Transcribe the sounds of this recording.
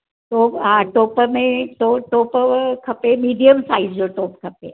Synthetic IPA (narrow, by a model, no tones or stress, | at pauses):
ʈopaʈoːpmẽʈoʈoːpkʰɐpemiːɖijəmsaizd͡ʒoʈoːpkʰɐpe